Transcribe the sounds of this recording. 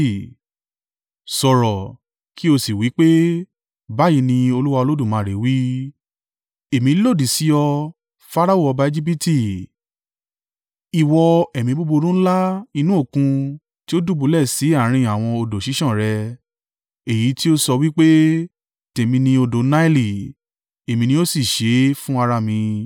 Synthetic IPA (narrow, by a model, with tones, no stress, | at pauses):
sɔ˨ɾɔ˨ | ki˦o˧si˨wi˨˦k͡pe˦ | ba˦ji˧nĩ˧o˧lu˦wa˧o˧lo˦du˦˨mãː˨˦˨ɾe˨˦wi˦ | e˨mĩ˨˧˦lo˦˨di˨si˨˦ɔ˧ | fa˦ɾa˦o˦˨ɔ˧ba˧˦e˦d͡ʒi˦p̬i˦ti˦˨ | i˨wɔ˧ɛ˨mĩ˧bo˦bo˧ɾũ˦n̩˦la˦i˧nũ˦o˦˨kũ˧ | ti˦o˦du˦˨bu˨˧˦lɛ˦˨si˨˦a˦˨˦ɾ̃ĩ˧a˨w̃ɔ̃˧o˧do˨ʃi˨˦ʃɔ̃˦˨ɾɛ˧ | e˨ji˨˦ti˦o˦sɔ˧wi˦k͡pe˦ | te˨mĩ˧nĩ˧o˧do˨˦na˦i˦li˨ | e˨mĩ˧nĩ˧˦o˦si˦˨ʃe˨˦fũ˦a˧ɾa˧mĩ˧